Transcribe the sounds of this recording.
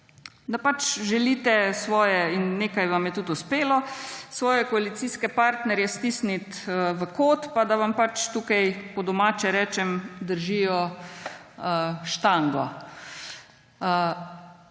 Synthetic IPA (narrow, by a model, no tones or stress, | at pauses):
d̪apat͡ʃʒɛliːt̪ɛsʋɔːjɛinːeːkajʋamjɛt̪ut̪ʊspeːlɔsʋɔːjɛkɔalit̪siːskɛpaɾt̪nɛɾjɛst̪iːsnit̪əʋəkoːt̪pad̪aʋampat͡ʃt̪uːkajkɔd̪ɔmaːt͡ʃɛɾɛːt͡ʃɛmd̪əɾʒiːjɔ | əʃt̪aŋɡɔ